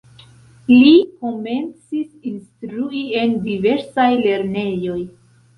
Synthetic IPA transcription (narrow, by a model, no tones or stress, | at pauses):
liko̞me̞nt͡sisinstɾuie̞ndive̞ɾsajle̞ɾne̞jo̞j